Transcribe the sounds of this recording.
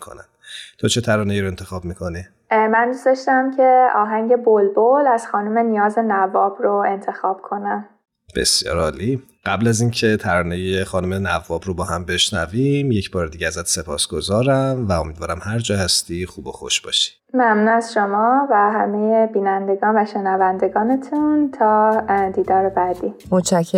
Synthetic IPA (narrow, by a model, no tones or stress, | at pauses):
ikʰo̰næn | t̪ʰot͡ʃʰe̞t̪ʰæɾɒːneiɾoe̞nt̪ʰe̞xɒːbmiːkʰo̞ni | mænd̪ust̪ɒʃt̪æmcʰe̞ɒːɦæŋɟe̞bolbolæz̥xɒːnume̞nijɒːzenævɒːbroe̞nt̪ʰe̞xɒːb̥kʰo̞næm | b̥e̞̰sjɒ̰ːɾɒːli | ɢ̥æblæziːncʰe̞t̪ʰæɾɒːnejexɒːnome̞nævːɒːbɾobɒːhæmbe̞ʃnævimje̞cʰbɒːɾed̪iɡɟeæzæt̪ʰsepʰɒːsɡ̥o̞zɒːɾæmvæomiːd̪vɒːɾæmhæɾd͡ʒɒːhæst̪ixuːbo̞xo̰ʃb̥ɒ̰ːʃi̥d̥̪mæmnunæzʃo̞mɒːvæɦæmejebiːnænd̪e̞ɡɒːnvæʃe̞nævænd̪e̞ɡɒːne̞t̪ʰunt̪ʰɒːd̪iːd̪ɒːɾebæd̪iːmot͡ʃʰækʰːe